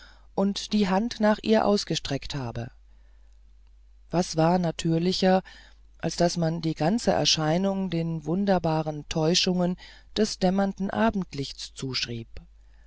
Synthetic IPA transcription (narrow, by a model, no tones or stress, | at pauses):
ʔʊntd̥iːɦantnaːχʔiːɐʔa̰ʊsɡ̥əʃtʁ̥ɛkthaːbə̰ | v̥asv̥aːɐnatʰyːɐlɪçɐ | ʔalsd̥asmandiːɡant͡səʔɛ̰ɐʃaɪnʊŋdeːnvʊndɐbaːʁəntʰɔʏʃʊŋən | d̥ɛsd̥ɛmɐndn̩ʔaːbm̩tlɪçt͡st͡suːʃʁ̥iːp̚